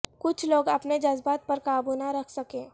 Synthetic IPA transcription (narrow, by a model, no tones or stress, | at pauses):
kʊt͡ʃʰloːɡɐpned͡ʒɐzbaːt̪̚pɐɾkaːbuːnaɾɐkʰsɐkẽː